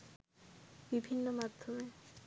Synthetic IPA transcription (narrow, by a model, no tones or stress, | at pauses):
bibʱinːomad̪ʱːome